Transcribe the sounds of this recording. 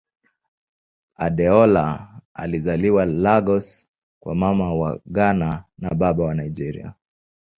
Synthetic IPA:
aɗɛɔlaa̰lizaliwalaɡɔs | kwa̰mamawaɠananaɓaɓawanaid͡ʒɛɾḭa̰

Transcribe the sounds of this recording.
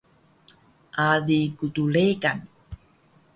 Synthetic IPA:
ʔadikutuɭekan

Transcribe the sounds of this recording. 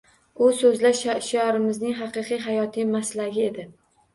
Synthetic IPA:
ʊsɵzlaʃʃajɒɾɪmɪznɪŋɦɑqɨqɨjɦajɒt̪ʰɪmaslaɡʲɪe̞d̪ɪ

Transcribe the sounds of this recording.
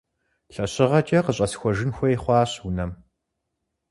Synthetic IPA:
ɬɐɕɪʁɐt͡ʃʼɐqəɕʼɐsxʷɔʒɪnxʷɔjχʷɑːɕʊnɐm

